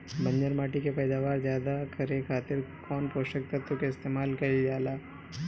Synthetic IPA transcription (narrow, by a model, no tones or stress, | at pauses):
bɐ̃ɲd͡ʒəɾmaːʈikepɛːd̪aːʋaːɾzjaːd̪akɐɾekʰaːt̪ɪɾkɔːnpoːʃək̚t̪at̪okeɪst̪eːmaːlkɐɾid͡ʒaːlaː